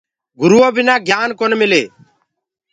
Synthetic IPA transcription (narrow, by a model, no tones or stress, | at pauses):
ɡʊɾuoːbɪnaːɡʱjaːnkonmɪleː